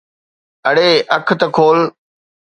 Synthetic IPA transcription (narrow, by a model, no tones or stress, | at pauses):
ɐɽeːʔɐkʰt̪ɐkʰoːl